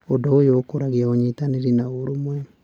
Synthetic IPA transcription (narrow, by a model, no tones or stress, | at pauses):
odɔojokoɾaɣiaoɲetaneɾinaoɾomwɛ